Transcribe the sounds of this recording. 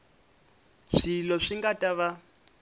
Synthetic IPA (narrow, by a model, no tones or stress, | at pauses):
ʂilɔʂiŋɡatʼaβa